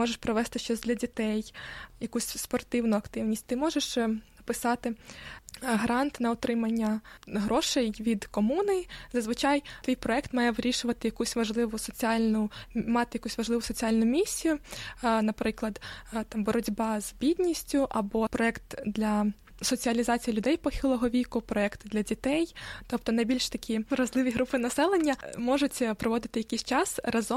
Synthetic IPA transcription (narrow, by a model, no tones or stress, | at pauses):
mɔʒeʃpɾɔʋɛst̪ɪʃt͡ʃɔzʲdlʲɐdʲit̪ɛjjɐkusʲspɔrt̪ɪwnʊɐkt̪ɪwnʲisʲt̚ʲt̪ɪmɔʒeʃpɪsɑt̪ɪ | ɦɐɾɑnt̪nɐɔt̪ɾɪmɐnʲːɐɦɾɔʃɛjʋʲid̪kɔmunɪzɐzʋɪt͡ʃɑjt̪ʋʲijpɾɔɛkt̪mɑjɛʋɾʲiʃʊʋɐt̪ɪjɐkusʲʋɐʒlˠɪʋʊsɔt͡sʲiɑlʲnʊmɑt̪ɪjɐkusʲʋɐʒlˠɪʋʊsɔt͡sʲialʲnʊmʲisʲːijʊnɐpɾɪklˠɐd̪t̪ɑmbɔɾɔdʲbɑzbʲid̪ʲnʲisʲtʲʊʔɐbɔpɾɔɛkt̪d̪lʲɐ | sɔt͡sʲiɐlʲizɑt͡sʲijilʲʊd̪ɛjpɔxʲɪlˠɔɦɔʋʲikʊpɾɔɛkt̪d̪lʲɐdʲit̪ɛjt̪ɔp̚t̪ɔnɐjbʲilʲʃt̪ɐkʲʰiɾɐzlˠɪʋʲiɦɾupɪnɐsɛlˠenʲːɐmɔʒʊtʲpɾɔʋɔd̪ɪt̪ɪjɐkʲisʲt͡ʃɑsrɐzɔ